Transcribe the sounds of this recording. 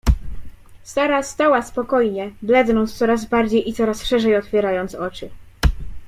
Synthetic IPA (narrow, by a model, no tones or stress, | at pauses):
st̪aɾast̪awaspɔkɔjɲɛblɛd̪nɔnt̪st̪sɔɾazbaɾd͡ʑejit̪sɔɾasʂɛʐɛjɔt̪fʲjɛɾajɔnt̪sɔt͡ʂɘ